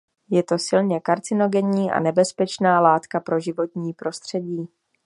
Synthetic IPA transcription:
jɛt̪o̞sɪlɲɛkaɾt͡sɪno̞ɡɛɲiːʔa̰nɛbɛspɛt͡ʃnaːlaːt̪kapɾo̞ʒɪvo̞t̪ɲiːpɾo̞st̪r̝̥ɛɟiː

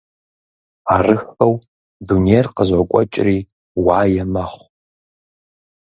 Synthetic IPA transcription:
arɨxɐw | dunierqəzakʷʼɔ̰t͡ʃʼriː | waːjɛmɐχʷ

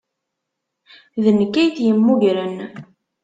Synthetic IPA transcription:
ðənəkːæjθjəmːuʝɾən

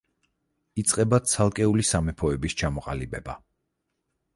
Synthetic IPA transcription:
it̪sʼqʼɛbat̪sʰalˠkʼɛulisamɛpʰɔɛbist͡ʃʰamɔqʼa̰libɛba̰

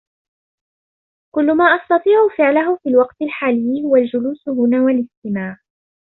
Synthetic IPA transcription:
kʊlːʊmaːʔɑst̪ɑt̪ˤiːʕʊfɪʕlaɦʊfiːlwɑqt̪ɪlħaːlɪjːɪhʊwald͡ʒʊluːsʊɦʊnaːwalɪst̪ɪmaːʕ

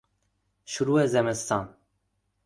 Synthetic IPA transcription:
ʃuɾuɛzɛmɨst̪ɑːn

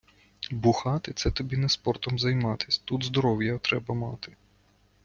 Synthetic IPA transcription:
bʊxɑt̪ɪt̪sɛt̪ɔbʲinɛspɔrt̪ɔmzɐjmɑt̪ɪ̥sʲt̪ud̪zd̪ɔɾɔwjɐt̪ɾɛbɐmɑt̪ɪ

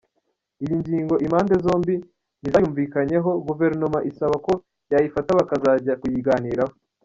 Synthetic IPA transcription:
ijiɲɟiːŋɡo̞ʔimaːndezo̞ːmbi | n̥izajuːɱviːkaɲe̞ɦo̞ɡuve̞ɾno̞maʔisaβako̞ | jajifataβakazaːɟakujiɡaːniːɾaho

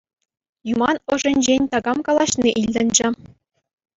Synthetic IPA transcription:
jumɑnɤ̆ʐɘ̆nʲd͡ʑenʲt̪ɑɡɑmkɑlˠɑɕniʔilʲd̪ʲɘ̆nd͡ʑɘ̆

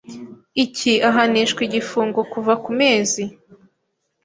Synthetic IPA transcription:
iciaɦaniʃkwiɟifuːŋɡo̞kuvakume̞ːzi

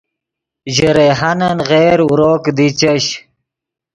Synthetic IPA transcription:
ʑəɾeɦɐnɐnɣeːɾuɾoːkd̪it͡ɕəɕ

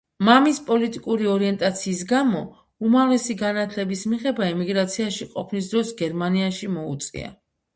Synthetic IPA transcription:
mamispʼɔlit̪ʼikʼuɾiɔɾiɛnt̪ʼat̪sʰiːsɡamɔ | umavlɛsiɡanat̪ʰlɛbismiʁɛbaɛmiɡɾat̪sʰiaʃiqʼɔpʰnis̬d̪ɾɔsɡɛɾmaniaʃimɔut̪sʼḭa̰

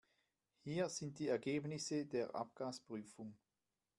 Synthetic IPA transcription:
hiːɐz̥ɪnt̚d̥iːɛɐɡeːbnɪsədeːɐʔa̰p̚ɡ̥aːspʁ̥yːfʊŋ

